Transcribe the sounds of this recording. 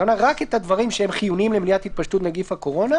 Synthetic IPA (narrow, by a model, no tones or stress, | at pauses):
onaʁaket̪ad̪vaʁimʃeemχijunimlemnijat̪hit̪̚paʃtut̪naɡifhako̞ʁo̞na